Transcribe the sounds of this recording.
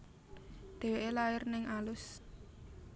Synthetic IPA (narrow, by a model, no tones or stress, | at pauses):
d̪̥e̤weʔelaɪrnɪŋʔalʊs